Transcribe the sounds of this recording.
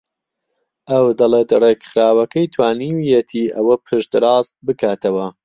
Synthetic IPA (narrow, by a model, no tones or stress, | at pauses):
ʔɐwd̪ɐlˠeːt̪reɡχɾaːwɐkɐjt̪ʰwaːnijet̪ʰiːʔɐwɐpʰɨʃd̪ɨɾɑːzbɨkʰaːt̪ʰɐwɐ